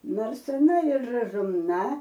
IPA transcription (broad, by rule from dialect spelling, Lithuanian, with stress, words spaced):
ˈnoːrs ɐˈnɐ ɪr rɐzʊmˈnɐ